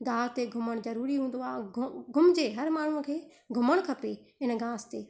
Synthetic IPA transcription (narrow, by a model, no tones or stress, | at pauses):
ɡaːst̪eɡʱʊməɽ̃zəɾuːɾiɦũːnd̪oaːɡʱʊmd͡ʒeːɦəɾmaːɳ̤ũkʰeː | ɡʱʊməɽ̃kʰəpe | ɪnɡãːst̪eː